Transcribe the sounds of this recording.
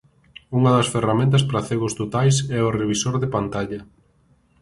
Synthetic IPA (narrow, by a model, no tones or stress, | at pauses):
uŋɐðɐsferamẽnt̪̬ɐspɾaθeɣʊst̪ot̪ajsɛʊreβ̞isoɾðepant̪aʎɐ